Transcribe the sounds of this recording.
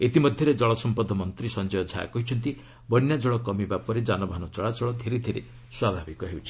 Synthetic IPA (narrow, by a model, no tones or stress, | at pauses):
et̪imɔd̪ʱjɔɾed͡ʒɔɭɔsɔmpɔd̪ʱːɔmɔnt̪ɾisɔnd͡ʒɔjɔd͡ʒʱa̰a̰kɔɦit͡ʃʰɔnt̪i | bɔnjad͡ʒɔɭɔkɔmibapɔɾed͡ʒanɔbʱanɔt͡ʃɔɭat͡ʃɔɭɔd̪ʱeɾed̪ʱeɾe | swabʱabikɔɦewt͡ʃʰi̥